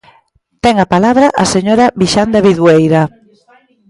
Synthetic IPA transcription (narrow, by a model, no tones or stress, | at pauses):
t̪ɛŋapalaβɾaʔaseɲoɾaβiʃand̪aβiðwejɾa